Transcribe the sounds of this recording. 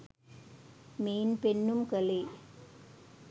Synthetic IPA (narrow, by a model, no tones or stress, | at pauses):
meːnpɛnːɯmkɐlɐ